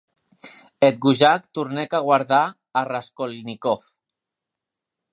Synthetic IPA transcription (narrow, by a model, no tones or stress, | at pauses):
et̪̚ɡuʒakt̪uɾnekaɣ̞waɾðaː | raskolnikof